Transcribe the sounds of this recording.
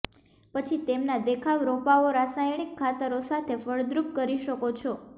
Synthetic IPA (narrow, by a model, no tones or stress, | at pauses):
pət͡ʃʰit̪emnad̪ekʰaʋɾopaoɾasajɳ̃ikʰːat̪əɾosat̪ʰefəɭd̪ɾup̚kəɾiʃəkot͡ʃʰɔ